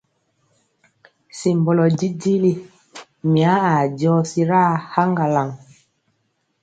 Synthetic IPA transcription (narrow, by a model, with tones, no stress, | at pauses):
si˨mbɔ˨lɔ˨d͡ʒi˦ɟi˦li˦ | mi˨a˨˦a˨ɟɔː˦si˦ɾa˦ha˦ŋɡa˨la˨ŋ